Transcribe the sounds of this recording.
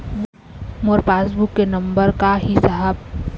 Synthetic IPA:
ʋ | moɾpaːsbukːenɐ̃mbəɾkaɦisɐɦəb̚

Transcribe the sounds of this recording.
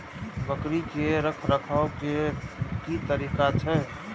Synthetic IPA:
bəkɾikeɾəkʰɾəkʰaokekit̪əɾiːkat͡ʃʰɛ

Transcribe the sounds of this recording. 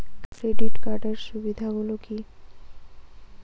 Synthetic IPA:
kɾeɖeʈkaɾɖəɾsuʋid̪ʱaboloki

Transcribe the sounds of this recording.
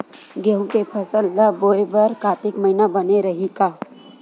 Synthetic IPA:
ɡeɦũkepʰəsəlːəboːebəɾkaːt̪ɪkməɦɪnabəneɾəɦikaː

